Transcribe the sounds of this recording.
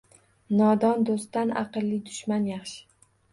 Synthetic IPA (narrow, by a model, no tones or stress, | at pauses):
nɒd̪ɒnd̪ost̪anɑ̰qɨlːɪd̪ʊʃmanjaχʃɪ̥